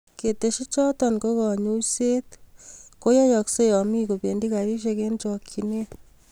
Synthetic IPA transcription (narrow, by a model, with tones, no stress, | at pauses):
ke˨te˨ʃi˦t͡ʃɔ˦tɔ˨nko˦kɔ˨ɲu˦se˦t̪ko˦jɔ˦jɔ˨kse˦jɔ˨mi˦ko˨pe˨ndi˦ka˨ɾi˦ʃ̬e˧ke˦nt͡ʃɔ˨kʰi˨ne˦